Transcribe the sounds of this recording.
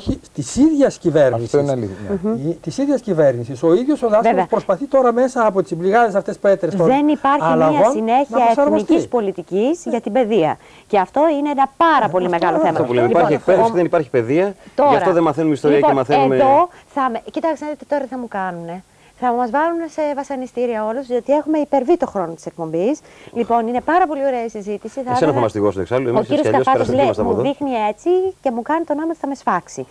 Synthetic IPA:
it̪isiðʝɐsciveɾnissoninit̪isiðʝɐscive̞ɾnisiso̞iðʝo̞soðɐvevɐpɾospɐθit̪o̞ɾɐme̞sɐːpo̞t̪i̥sbliɣɐðesɐft̪espet̪ɾesoðenipɐɾçɐilɐɐsine̞çiɐefeɾocispo̞lit̪icisʝɐt̪ibe̞ðiɐ̰ | ceɐft̪o̞ineenɐpɐɾɐpo̞limeɣɐloθeɐt̪ouleiipɐɾiekessiðenipɐɾçi̥pe̞ðiɐt̪oɐfɾfɐoðenmɐθenumeist̪o̞ɾiɐpoemɐθeenumeðo̞ | θɐmecit̪ɐksnɐðit̪i̥t̪o̞ɾɐt̪iθɐmukɐnune̞ | θɐumɐzvɐlune̞se̞vɐsɐnist̪iɾiɐo̞luzðio̞t̪ie̞xume̞ipe̞ɾvit̪o̞xɾo̞no̞t̪i̥sek̚po̞mbis | lipo̞nine̞pɐɾɐpo̞lio̞ɾe̞ɐisizit̪isiθɐsenɐθɐmɐst̪iɣosueksɐloemosiioɐsɐosfɐosleɐst̪ɐmuðoðixnie̞t͡sice̞mukɐnit̪o̞nɐmot̪θɐme̞sfɐksi

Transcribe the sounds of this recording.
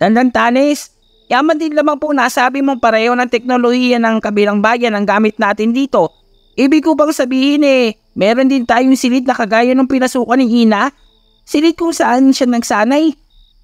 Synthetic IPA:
d̪ɐnd̪ɐnt̪aːnɛs | jaːmɐnd̪ɪnlamaŋponaːsaːbɪmoŋpɐɾɛːho̞nɐŋt̪ɛk̚nolohiːjɐnɐŋkɐbɪlaŋbaːjɐnɐŋɡaːmɪt̪̚naːt̪ɪnd̪iːt̪o̞ | ʔiːbɪɡ̚kobɐŋsɐbiːhɪnɛ | mɛːɾo̞nd̪ɪnt̪aːjoŋsɪlɪd̪̚nɐkɐɡaːjonɐŋpɪnɐsuːkɐnɪŋʔiːna | sɪlɪd̪̚kʊŋsɐʔanʃanɐɡsaːnaj

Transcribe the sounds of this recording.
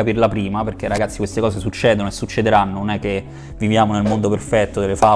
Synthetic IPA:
apirlapɾiːmaperk̟erːaɡat̪sːikwest̪ekɔːsesut͡ʃːɛːd̪onoesːut͡ʃːed̪eɾanːononɛkːe | vivjaːmonelmond̪operfɛt̪ːod̪elːefa

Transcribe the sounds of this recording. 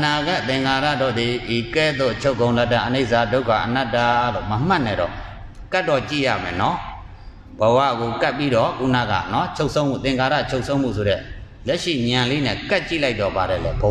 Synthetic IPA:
ənaɡat̪ɪ̃ŋkʰaɾa̰dɔd̪iikɛd̪o̰ʔət͡ɕʰoʊkːõʊ̃lɛtãʔəneɪʔsadoʊkʰa̰ʔənatːalo̰məm̥ãnɛɾɔ̰ | katːɔt͡ɕḭja̰mɛ̰̃nɔ | bəwa̰ɡokapːiɾɔkṵna̰ɡa̰nɔt͡ɕʰoʊʔsʰõʊ̃m̥ʰṵt̪ɪ̃ŋkaɾa̰t͡ɕʰoʊʔsʰõʊ̃m̥ṵsʰoɾɛ̰ | lɛʔʃḭɲãlenɛ̰̃kaʔ̚t͡ɕḭlaɪt̪̚ɔbaɾɛ̰lɛbə

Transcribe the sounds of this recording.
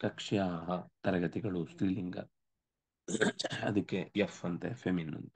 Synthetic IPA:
kɐkʂijaːɦɐt̪ɐɾɐɡɐt̪iɡɐɭusʈiːliŋɡɐ̰ | ɐ̰d̪ɐkːejefɐnt̪epʰeminːɐ̰nt̪e̥

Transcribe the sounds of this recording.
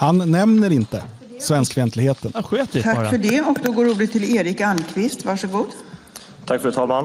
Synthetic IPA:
hanːɛmnəɾɪnt̪ə | svɛnskfɛnt̪lɪɡheːt̪ənɧʰakːfœɖɛɔkd̪ɔɡoːɾuːɖ̪ət̪ʰːɪleːɾɪkankʰvɪst̪vaʂɔɡuːd̪ | t̪ʰakfɾʉt̪ʰɑːlman

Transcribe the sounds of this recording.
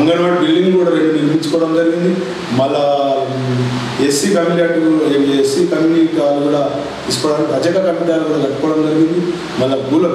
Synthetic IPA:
ɐŋɡɐɽʋaːʈbilːɖiŋɡkuːɽaːʋeɳʈːuniɾpiɲt͡ʃːu̥kɔːɐɽɐmd͡ʒɐɾiɡind̪i | mɐlːɐ | esikɐmiliaʈːueesikɐmilikaːluɡuːɽaː | ispɐɽanɐd͡ʒɐkɐkɐmpiʈaːlɐɡuːɽalɐkːɐkɔːɐɽɐmd͡ʒɐɾiɡind̪i | mɐlːɐɡulɐ

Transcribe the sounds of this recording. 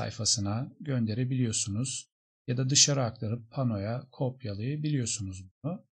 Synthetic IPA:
a̰jfasɯnaɟø̞nd̪e̞ɾe̞bilʲijo̞sunuz̥ | jad̪ad̪ɯʃaɾɯak̚t̪ʰaɾɯpʰːano̞jakʰo̞pjalˠɯjɯbilʲijo̞sunuzbunu

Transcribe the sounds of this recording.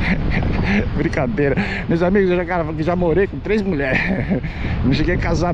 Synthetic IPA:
bɾĩkad̪ejɾɐmewzamiɡʊzeʒakaɾɐkɪʒamoɾejkõt̪ɾezmuʎɛɾ | nɐ̃ʃeɡejakaza

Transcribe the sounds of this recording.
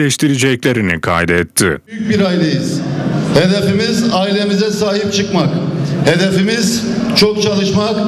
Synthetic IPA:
ɛʃt̪ʰiɾid͡ʒɛclʲe̞ɾinikʰa̰jd̪ɛɛt̪ʰːɪ̰jyc̚biɾailʲejiz̥he̞d̪e̞fimizaːilʲe̞mizɛsaːɦip̚t͡ʃʰɯkmakhed̪e̞fimiz | t͡ʃʰok̚t͡ʃʰalˠɯʃmak

